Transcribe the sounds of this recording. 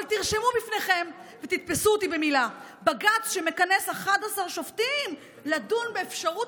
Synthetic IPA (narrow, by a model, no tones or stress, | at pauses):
lt̪iʁʃe̞mubifneχe̞mvet̪it̪̚pesuot̪ibe̞mila | baɡat͡sʃe̞me̞kane̞saχadasaʁʃoft̪im | ladunbeːfʃaʁu